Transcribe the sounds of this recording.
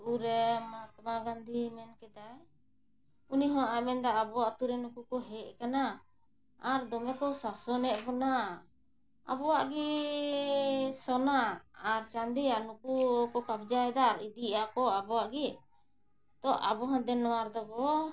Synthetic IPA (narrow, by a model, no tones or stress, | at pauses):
ʔuɾɛmaaat̪maɡand̪ʱimɛnkɛd̪aj | uniɦɔ̃ʔamɛnd̪aːbɔwaʔt̪uɾɛnukukɔɦɛʔ̚kana | aɾd̪ɔmɛkɔsasɔnɛʔ̚bɔna | a̰bɔwaʔɡi | sɔnaːɾt͡ʃand̪ijaʔnukukɔkab̚d͡ʒaɛd̪aɾid̪iakɔabɔwaʔɡɛ | t̪ɔʔa̰bɔɦãd̪ɛnɔwaɾd̪ɔbɔ